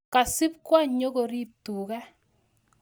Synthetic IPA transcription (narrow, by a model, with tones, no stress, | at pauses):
ka˨sɪ˦pkwa˦ɲo˦ɡo˨ɾi˦tu˨kɛ˦